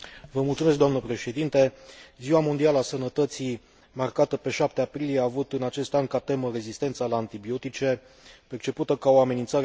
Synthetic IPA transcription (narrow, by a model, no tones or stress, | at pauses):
vəmultsume̞sk̚d̪oamnəpɾe̞ʃe̞d̪int̪e̞ziwamo̞nd̪ialəasənət̪ət̪si | markat̪əpe̞ʃap̚t̪eapɾilijeaːvut̪ɨnat͡ʃe̞st̪anʲkat̪e̞məre̞zist̪e̞nt̪salaːnt̪ibio̞t̪it͡ʃe̞ | pe̞rt͡ʃe̞put̪əkao̞ame̞nint̪saɾ